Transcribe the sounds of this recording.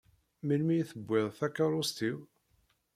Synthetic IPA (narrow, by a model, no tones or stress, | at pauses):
milmijθəbːɪðˤθækːɑɾˤost̪iw